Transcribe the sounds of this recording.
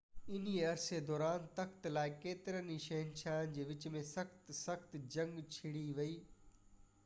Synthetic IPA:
ɪniɐɾsed̪ɔːɾaːnt̪ɐxt̪laːɪkeːt̪ɪɾəniʃɐɦɪnt͡ɕʰaːnd͡ʑeːʋɪt͡ɕmẽsɐxt̪sɐxt̪d͡ʑɐ̃ŋɡt͡ɕʰɪɽiʋɐiː

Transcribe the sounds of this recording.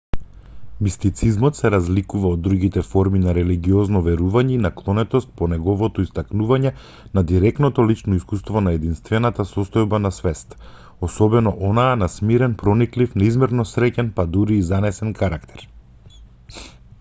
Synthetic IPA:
mist̪it̪sizmɔt̪sɛɾazlikuvaod̪ːɾuɡit̪ɛfɔɾminaɾɛliɡiɔznɔvɛɾuvaɲɛinaklˠɔnɛt̪ɔst̪̚pɔnɛɡɔvɔt̪ɔist̪aknuvaɲɛ | nad̪iɾɛknɔt̪ɔlit͡ʃnɔiskust̪vɔnaɛd̪inst̪vɛnat̪asɔst̪ɔjbanasvɛst̪ | ɔsɔbɛnɔʔɔnaɛnasmiɾɛnpɾɔniklifnaizmɛɾnɔsɾɛcɛnpad̪uɾiːzanɛsɛnkaɾakt̪ʰɛ̥ɾ

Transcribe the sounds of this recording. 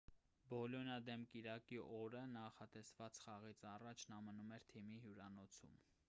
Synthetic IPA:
bɔljɔnɑd̪ɛmkiɾɑkiʔɔɾənɑχɑt̪ɛsvɑt͡sχɑʁit͡sʰɑrɑt͡ʃʰnɑmənumɛɾt̪ʰimiɦjuɾɑnɔt͡sʰṵm

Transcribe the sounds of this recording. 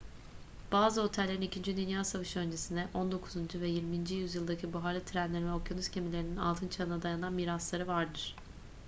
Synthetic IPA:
b̥aːzɯo̞t̪ʰɛlʲːeɾinicʰind͡ʒyd̪ynjaːsavɯʃø̞nd͡ʒesind̪ɛʔo̞nd̪o̞kʰuzund͡ʒuvɛjiɾmind͡ʒijyzjɯlˠd̪acʰibuɦalʲˠɯt̪ʰiɾænlʲeɾinvɛokjonyscʰe̞milʲe̞ɾinina̰lˠt̪ʰɯnt͡ʃʰaɯnad̪ajananmiːɾaslˠaɾɯvaɾd̪ɯɾ̥

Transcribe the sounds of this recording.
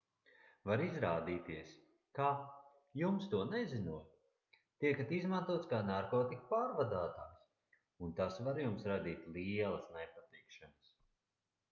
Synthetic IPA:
vaɾizɾaːd̪iːt̪iɛs | kaː | jumst̪uɔnɛzinuɔj | t̪iɛkat̪izmant̪uɔt̪skaːnaɾkɔːt̪ikpaːɾvad̪aːt̪aːks | unt̪asvaɾjumsɾad̪iːt̪ʲlˠiɛlˠɐsnajpat̪ikʃanɐs

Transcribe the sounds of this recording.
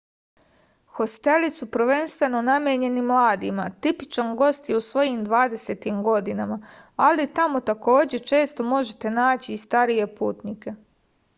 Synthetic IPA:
xo̞st̪e̞lisupɾ̩ʋe̞nst̪ʋe̞no̞namje̞ɲe̞nimlˠaːd̪imat̪ipit͡ʃanɡo̞st̪jeusʋo̞jimd̪ʋaːd̪e̞se̞t̪imɡo̞d̪inamaalit̪amo̞t̪ako̞ːd͡ʑe̞t͡ʃe̞ːst̪o̞mo̞ʒet̪e̞naːt͡ɕiːst̪aɾije̞puːt̪nike̞

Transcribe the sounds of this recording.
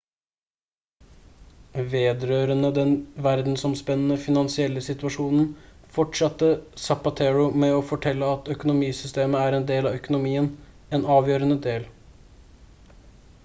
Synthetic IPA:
ʋeːd̪ɾøːɾənəd̪ɛnʋæɾd̪n̩sɔmspɛnːənəfɪnɑnsɪɛlːəsɪt̪ʉɑʂuːnn̩fɔʈʂɑt̪ːəsɑpɑt̪ʰɛɹʊmɛɔfɔʈʰɛlːəɑt̪œkʊnʊmiːsʏst̪eːməæːɾɛnd̪eːlɑʋœkʊnʊmiːən | ɛːnɑːʋjøːɾənəd̪eːl

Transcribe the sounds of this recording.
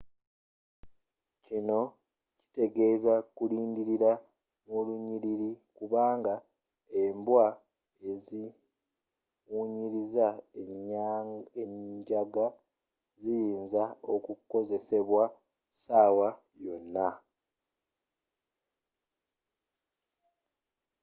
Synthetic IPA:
cino̞ | ci̥te̞ɡe̞ːzakuliːndiɾiɾa | muluɲiɾiɾikuβaːŋɡa | e̞mbwa | e̞zi | wuːɲiɾizaeɲaeɲɟaɡa | zijiːnzao̞kukːo̞ze̞se̞βwa | saːwa | jo̞nːa

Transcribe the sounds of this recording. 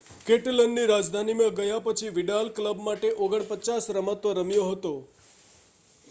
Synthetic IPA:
keʈələnːiɾad͡ʒd̪ʱanimə̃ɡəjapət͡ʃʰiʋiɖalkləbmaʈeʔoɡəɳpət͡ʃasɾəmat̪ʋəɾəmjoɦət̪o

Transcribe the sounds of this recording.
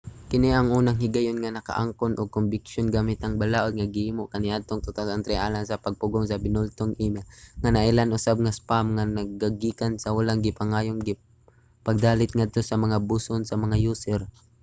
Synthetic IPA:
kɪniʔɐŋuːnaŋɦɪɡajonŋanɐka̰ʔa̰ŋkonʔoɡ̚kʊmbɪkʃjonɡaːmɪt̪ɐŋbalaʔod̪̚ŋaɡɪhiːmoʔkaniʔad̪̚t̪oŋt̪ʊt̪aant̪ɾɛʔaːlaŋsɐpɐɡ̚pʊɡoŋsɐbɪnʊlt̪oŋʔiːmaŋanɐʔɪlanʔʊsab̚ŋaspamŋanɐɡ̚aɡiːkansɐwalaŋɡɪpaŋaːjoŋɡɪ | paɡ̚d̪aːlɪt̪̚ŋad̪̚t̪osɐmɐŋabusonsɐmɐŋajuːsɛɾ

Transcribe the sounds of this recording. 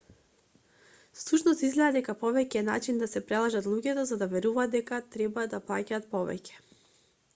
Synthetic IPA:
slˠuʃnɔst̪izɡlɛad̪ɛkapɔvɛcɛna̰t͡ʃind̪asɛpɾɛlˠaʒat̪lˠuɟɛt̪ɔzad̪avɛɾuvaːd̪ɛkat̪ɾɛbad̪aplˠacaːt̪̚pɔvɛ̰cɛ̥

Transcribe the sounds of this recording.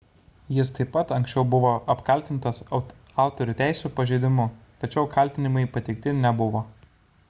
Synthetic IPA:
jɪst̪ɐɪppɐt̪ɐŋʲksʲt͡ʃʲɛʊbʊʋoːʔɐpkɐlʲt̪ʲɪnt̪ɐs | ɑˑʊt̪ɔɾʲʊt̪ʲæˑɪsʲupɐʒʲeɪd̪ʲɪmʊt̪ɐt͡ʃʲɛʊkʰɐlʲt̪ʲɪnʲɪmɐɪpɐt̪ʲɛɪkt̪ʲɪnʲɛbʊʋoː

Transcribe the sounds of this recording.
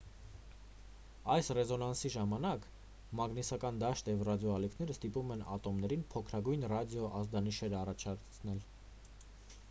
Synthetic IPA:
ɑjsrɛzɔnɑnsiʒɑmɑnɑk | mɑɡnisɑkɑnd̪ɑʃt̪jɛvrɑd̪jɔɑlikʰn̪ɛɾəst̪ipumɛnɑ̰t̪ɔmnɛɾinpʰɔkʰɾɑɡujnrɑd̪jɔʔɑzd̪ɑniʃɛɾɑrɑt͡ʃʰɑɾt͡sʰnɛl

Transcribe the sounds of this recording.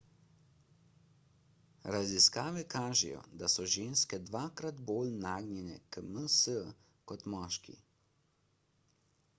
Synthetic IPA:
ɾaziskaːʋɛkaːʒɛ̰jɔ̰d̪asɔʒeːnskɛd̪ʋaːkɾad̪boːlnaːɡnjɛnɛ̰kəməsə | kɔt̪mɔːʃkḭ

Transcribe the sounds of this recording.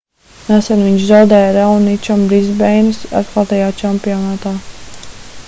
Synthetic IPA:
nasɛnviɲʃzawd̪ɛːjaɾawnit͡ʃambɾizbɛjnɨsa̰t̪kˠat̪ajaːt͡ʃampiɔnaːt̪aː

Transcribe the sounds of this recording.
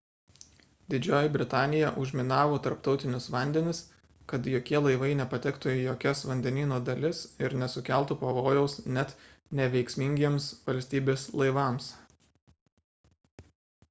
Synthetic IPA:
d̪ʲɪd͡ʒʲoːjɪbʲɾʲɪt̪ɑːnʲɪjɛʔʊʒʲmʲɪnɑːʋoːt̪ɐɾpt̪ɒʊt̪ʲɪnʲʊsʋɐˑnʲd̪ʲɛnʲɪs | kɐt̪joːkʲiɛlˠɐɪʋɐɪnʲɛpɐt̪ʲɛkt̪ʊjoːkʲɛsʋɐnʲd̪ʲɛnʲiːnoːd̪ɐlʲɪsɪɾnʲɛsʊkʲæˑlˠˑt̪upɐʋoːjɛʊsnʲɛt̪ | nʲɛʋʲɛɪksʲmʲɪŋʲɡʲiɛmsʋɐlʲsʲt̪ʲiːbʲeːslˠɐɪʋɑms

